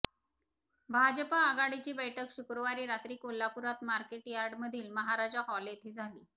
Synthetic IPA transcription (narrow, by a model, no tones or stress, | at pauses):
bʱad͡ʑəpaːɡaɽit͡ɕiːbəjʈʰəkɕukɾoʋaɾiːɾat̪ɾiːkolːapuɾat̪maɾkeʈjaɾɖməd̪ʱiːlməɦaɾad͡ʑaɦɔlet̪ʰiːd͡zʱaliː